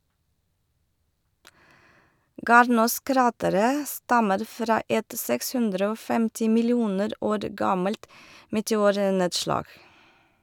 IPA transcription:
ˈɡɑːɾnuːˌskɾɑːtəɾə ˈstɑməɾ ˈfɾɑː ˈɛt ˈsɛks ˈhʉndɾə ˈoː ˈfɛmtɪ mɪlɪˈuːnəɾ ˈoːɾ ˈɡɑməlt mɛtɛˈuːɾˌneːdʃlɑːɡ

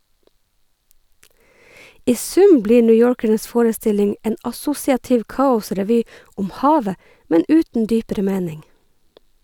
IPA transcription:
ˈʔiː ˈsʉm ˈbliː ˌɳʏˈjoːɹkəɳəs ˈfoːɹəˌstɪlɪŋ ˈʔeːn ʔɑˈsʊsɪɑtɪʋ ˈkɑːʊsɾɛˌʋyː ˈʔʊm ˈhɑːʋə ˈmɛn ˈʉːtn̩ ˈdyːpəɾə ˈmeːnɪŋ

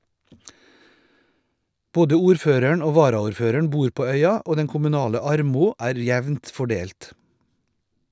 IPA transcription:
ˈboːdə ˈuːɾˌføːɾəɳ ˈoː ˈʋɑːɾɑʊɾˌføːɾəɳ ˈbuːɾ ˈpoː ˈœʏɑ ˈoː ˈdɛn kʊmʉˈnɑːlə ˈɑɾmʊ ˈæːɾ ˈjɛʋnt fɔˈɖeːlt

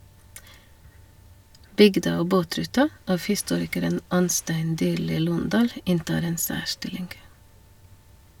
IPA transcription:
ˈbʏɡdɑ ˈoː ˈboːˌtɾʉːtɑ ˈɑf hɪˈstuːɾɪkəɾən ˈɑnˌstæɪn ˈdyːɾliː ˈluːnˌdɑːl ˈɪntɑːɾ ˈeːn ˈsæːˌʃʈɪlɪŋɡ

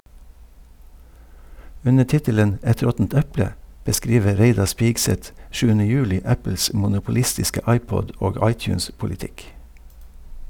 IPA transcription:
ˈʉnə ˈʈɪtələn ˈɛt ˈɾɔtn̩t ˈɛplə bəˈskɾiːʋə ˈɾeɪdɑɾ ˈspɪɡsɛt ˈʃʉːənə ˈjʉːˌlɪ ˈæpl̩s mʊnʊpʊˈlɪstɪskə ˈɑɪˌpɔɟ ˈoːɡ ˈɑɪˌtjʉːnspʊlɪˌtɪk

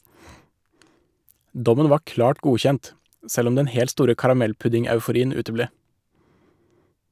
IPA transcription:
ˈdɔmən ˈʋɑː ˈklɑːʈ ˈɡuːçɛnt ə ˈsɛl ˈɔm ˈdɛn ˈhɛlt ˈstuːɾə kɑɾɑˈmɛlˌpʉdɪŋɑʉfʊˌɾiːən ˈʉːtəˌbleː

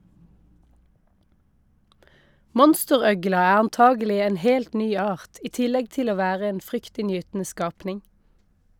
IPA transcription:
ˈmɔnstəˌʁœɡlɑ ˈæː ɑnˈtɑːɡəˌlɪ ˈeːn ˈheːlt ˈnyː ˈɑːʁt ˈiː ˈtɪlɛɡ ˈtɪl ˈoː ˈʋæːʁə ˈeːn ˈfʁʏktɪnˌjyːtn̩ə ˈskɑːpnɪŋ

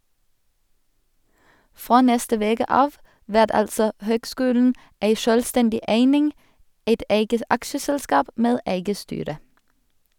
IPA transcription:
ˈfʁoː ˈnɛstə ˈʋeːkə ˈɑːʋ ˈʋæʁt ˈɑlsɔ ˈhøːɡˌskʉːln̩ ˈeɪ ˈʃœlˌstɛndɪ ˈeɪnɪŋ ˈeɪt ˈeɪɡə ˈɑkʃəˌsɛlˌskɑːp ˈmeːd ˈæɪɡə ˈstyːɾə

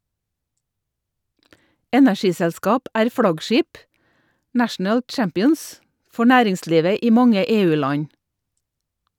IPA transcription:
ˈɛnæˌʃiːsɛlˌskɑːp ˈæːɾ ˈfɽɑɡˌʃiːp ˈnæʃn̩əl ˈt͡ʃæmpɪəns ˈfɔ ˈnæːɾɪŋˌsliːʋə ˈiː ˈmɑŋə ˈeːˌʉːˌlɑɲ

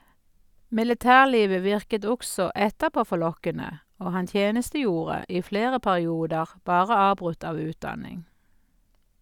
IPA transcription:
mɪləˈtæːʁˌliːʋə ˈʋɪʁkət ˈɔɡsɔ ˈɛtəˌpoː fɔˈlɔkənə ˈoː ˈhɑn ˈtjeːnəstəˌjuːʁə ˈiː ˈfleːʁə pæʁɪˈuːdəʁ ˈbɑːʁə ˈɑːbʁʉt ˈɑːʋ ˈʉːtˌdɑnɪŋ

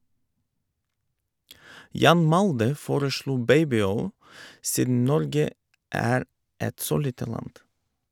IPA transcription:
ˈjɑːn ˈmɑldə ˈfoːɾəˌʃluː ˈbeɪbɪˌɔʏl ˈsiːdn̩ ˈnɔɾɡə ˈæːɾ ˈɛt ˈsoː ˈliːtə ˈlɑnd

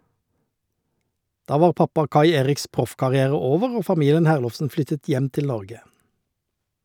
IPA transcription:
ˈdɑː ˈʋɑːʁ ˈpɑpɑ ˈkɑɪ ˈeːʁɪks ˈpʁʊfkɑʁɪˌæːʁə ˈoːʋəʁ ˈoː fɑˈmiːlən ˈhæːʁlɔfsn̩ ˈflʏtət ˈjɛm ˈtɪl ˈnɔʁɡə

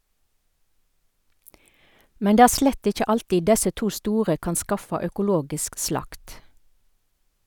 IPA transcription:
ˈmɛn ˈdeː ˈæː ˈʃlɛt ˈɪc͡çə ˈɑltiː ˈdɛsə ˈtuː ˈstuːʁə ˈkɑn ˈskɑfɑ œkʊˈloːɡɪsk ˈslɑkt

